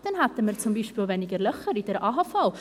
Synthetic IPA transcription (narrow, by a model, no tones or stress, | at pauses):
d̥ɛnhatəməɾt͡sʊmbiːʃpiːlˠvɛnɪɡəɾlœχəɾidɛɾʔaːɦafalˠ